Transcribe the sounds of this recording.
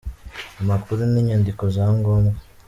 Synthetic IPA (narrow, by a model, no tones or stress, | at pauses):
amakuɾuniːɲandiko̞zaːŋɡoːmɡa